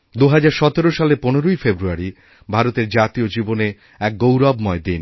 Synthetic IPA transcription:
d̪uɦad͡ʑaɾʃɔt̪eɾoʃaleponeɾojfebɾuaɾi | bʱaɾot̪eɾd͡ʑat̪iod͡ʑibone | ɛk̚ɡowɾɔbmɔed̪in

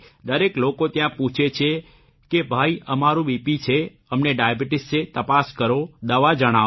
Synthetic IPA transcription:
d̪əɾeklokot̪jãpũt͡ʃʰet͡ʃʰe | kebʱaiəmaɾũbipit͡ʃʰe | əmneɖajabiʈɪsʈset̪əpaskəɾod̪əʋad͡ʒəɽ̃a

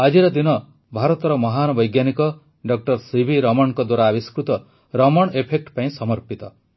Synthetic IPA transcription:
ad͡ʒiɾɔd̪inɔ | bʱaɾɔt̪ɔɾɔmɔɦanɔbɔjɡjanikɔ | ɖɔk̚ʈɔɾsibʱiɾɔmɔɳ̃kɔd̪waɾaːbiskɾut̪ɔ | ɾɔmɔɽ̃epʰek̚ʈpaĩsɔmɔɾpit̪ɔ

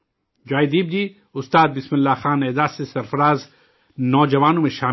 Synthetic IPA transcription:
d͡ʒaːjd̪iːb̚diː | ʊst̪aːd̪̚bɪsmɪlːaxaːneːd̪aːsesɐɾfɐɾaːz | nɔːd͡ʒɐʋaːnõmẽʃaː

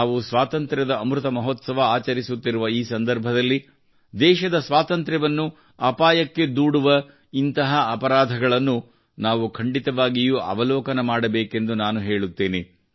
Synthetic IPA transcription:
ʋusʋaːt̪ɐnt̪ɾɐd̪ɐːmɾut̪ɐmɐɦot̪sɐʋɐaːt͡ʃɐɾisut̪ːiɾuʋɐiːsɐnd̪ɐɾbʱɐd̪ɐlːi | d̪ɛːʃɐd̪ɐsʋaːt̪ɐnt̪ɾɛʋɐnːu | ɐpaːjɐkːe̞d̪uːɽuʋɐ | int̪ɐɦɐɐpɐɾaːd̪ʱɐɡɐɭɐnːu | naːʋukʰɐɳɖit̪ɐʋaːɡijuɐ̰ʋɐlɔːkɐnɐmaːɽɐbeːke̞nd̪unaːnuɦeːɭut̪ːeːne

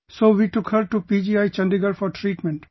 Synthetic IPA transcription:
soːʋiːʈʊkhəɾʈupid͡ʒiajt͡ʃʌ̃nɖdiɡəɾfɔɾʈʰɾiːʈmẽɳʈ

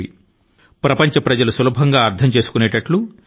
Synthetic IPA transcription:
i | pɾɐpɐɲt͡ʃɐpɾɐd͡ʒɐlusɐlubʱɐŋɡaːɐɾt̪ʰɐmt͡ʃe̞ːsu̥kuneːʈɐʈlu

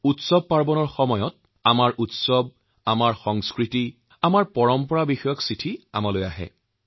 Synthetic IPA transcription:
utsɔb̚paɹbɔnɔɹxɔmɔjɔt̚ | amaɹʔutsɔb̚ | amaɹxɔŋskɹiti | amaɹpɔɹɔmpɔɹabixɔjɔksitʰia̰malojaɦɛ̰

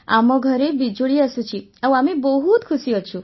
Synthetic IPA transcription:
a̰mɔɡʱɔɾebid͡ʒoɭiasũt͡ʃʰiaw̃amebɔɦut̪kʰusiɔt͡ʃʰũ

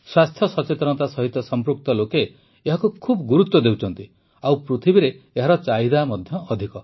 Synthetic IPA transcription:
swast̪ʰjɔsɔt͡ʃet̪ɾɔɔt̪asɔɦit̪ːɔsɔmpɾuk̚t̪ɔlokeː | ɦakukʰubɔɡuɾut̪wɔd̪ewt͡ʃʰɔnt̪i | awpɾut̪ʰibiɾeːɦaɾɔt͡ʃaid̪amɔd̪ʱjɔːd̪ʱikɔ

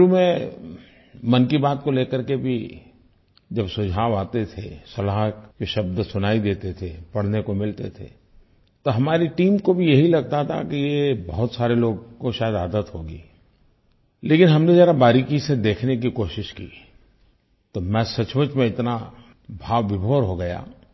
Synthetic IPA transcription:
umẽ | mɐnkibaːt̪̚koleːkəɾkebʱi | d͡ʒɐbsʊd͡ʒʱaːʋaːt̪et̪ʰesɐlaɦkeʃɐb̚d̪sʊnaːid̪eːt̪et̪ʰepɐɽ̤nekomɪlt̪et̪ʰḛː | t̪oɦɐmaːɾiʈiːmkobʱijɐɦilɐɡ̚t̪at̪ʰa̰kijebɐɦʊt̪saːɾeloːɡkoʃaːjəd̪aːd̪ət̪ɦoːɡiː | leːkɪnɦɐmned͡ʒɛːɾabaːɾikised̪eːkʰnekikoːʃɪʃkiː | t̪omɛ̃sɐt͡ʃʋət͡ʃmẽɪt̪na | bʱaːʋːɪbʱoːɾɦoɡɐja̰ː

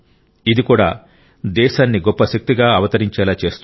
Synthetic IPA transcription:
id̪ikuːɽa̰ː | d̪ɛːʃaːnːiɡɔpːɐʃɐk̚t̪iɡaːɐʋɐt̪ɐɾiɲt͡ʃɛːlaːt͡ʃe̞ːst̪u

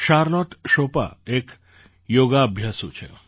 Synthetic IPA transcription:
ʃaɾlɔʈʃopa̰ek | joːɡaɐbʱjasut͡ʃʰḛ

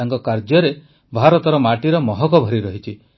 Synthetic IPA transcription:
aŋkɔkaɾd͡ʒjɔɾe | bʱaɾɔt̪ɔɾɔmaʈiɾɔmɔɦɔkɔbʱɔɾiɾɔɦit͡ʃʰi

